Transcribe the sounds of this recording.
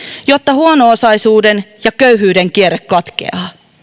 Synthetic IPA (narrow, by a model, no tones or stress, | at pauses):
jot̪ːɑhuonoːsɑjsuːdenjɑkøyɦyːdeŋkieɾekkɑt̪kḛɑː